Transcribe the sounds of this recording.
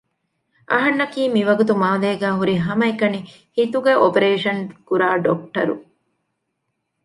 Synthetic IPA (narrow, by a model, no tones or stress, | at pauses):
ʔɐ̰ɦɐnːɐkiːmiʋɐɡut̪umaːleːɡæːɦuɾiɦɐmɐekɐni | hit̪uɡeʔopeɾeːʃɐnkuɾaːɖok̚ʈɐɾṵ